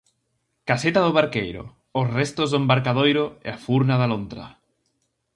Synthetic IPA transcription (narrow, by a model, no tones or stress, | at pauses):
kaset̪aðoβaɾkejɾo̰ | osrest̪ozðombaɾkaðojɾoḛafuɾnaðalont̪ɾa̰